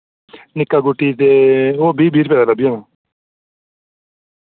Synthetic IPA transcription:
nɪkːaːɡuʈːit̪eoːbʱiːbʱiːɾpɛːd̪aːlabijanãː

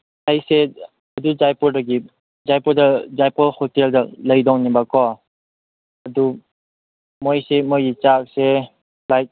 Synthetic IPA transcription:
hajse | ɐdud͡ʒajpɔɾdaɡi | zajpɔɾdazajpɔlhɔteldalɐjdɔŋnibakɔ | ɐdu | mojsemojɡit͡ʃak̚se | lajt̚

